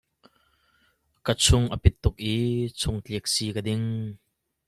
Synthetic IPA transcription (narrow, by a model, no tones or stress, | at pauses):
kət͡sʰʊŋʔɐpɪt̪ːʊk̚ʔiːt͡sʰʊŋt͡ɬiək̚siːkɐdɪŋ